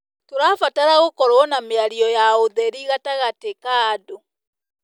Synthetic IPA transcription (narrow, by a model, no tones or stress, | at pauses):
toɾafataɾaɣokɔɾwnameaɾiɔjaoðɛɾiɣataɣatekaːdo